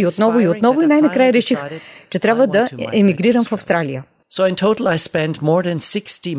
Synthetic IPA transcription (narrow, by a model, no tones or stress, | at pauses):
iot̪nɔvʊiot̪nɔvʊinajnɐkɾajəɾɛʃixt͡ʃɛt̪ɾʲabvəd̪ɐʔɛmiɡɾiɾəmfɐfst̪ɾalijə | soʊɪ̃ntʰoʊɾl̩ˠajspɛ̃ndmɔɹðɨ̃nsɪksti